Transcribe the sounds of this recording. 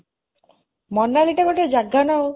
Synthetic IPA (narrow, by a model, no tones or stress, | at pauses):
mɔnːaliʈakɔʈed͡ʒaɡːanao